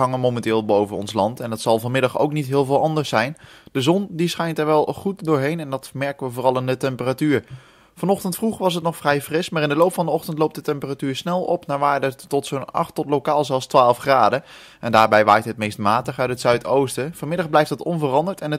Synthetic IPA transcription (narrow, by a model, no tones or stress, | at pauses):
ɑŋənmowmɛntɪːlˠbowvənɔ̰nslɑntɛndɑtsɑlˠvɑnmɪdɑχo̰wknitɦɪːlˠvɪːlˠɑndəɹsɛjnd̥əzɔndisχɛjntɛɹʋɛlˠχut̚dʊːɹɦejnɛndɑtmɛɹkənʋəvʊːrɑlˠɪndətɛmpəratyːɹ | vɑnɔχtəntfruχəʋɑs̬ɦətnɔχfrɛjfrɪsmaːɾɪndəlowpfɑndəɔχtəntlowp̚dətɛmpəratyːɹsnɛlˠɔ̰pnaːɹʋaːɹdətɔtsonɑ̰χtɔtlokaːlˠzɛlˠstʋaːlˠəfχraːdə | ɛndaːɹbɛjʋaːjtɦət̚mejstmaːtəχœɥtɦətsœɥtowstəfɑmɪdɑχblɛjftɦətɔnvərɑndəɹtɛnə